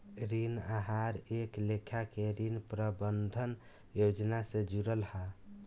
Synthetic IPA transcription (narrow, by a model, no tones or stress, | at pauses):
ɾinaɦaɾeklekʰakeɾinpɾəbənd̪ʱən | jod͡ʒnasẽd͡ʒuɾəlha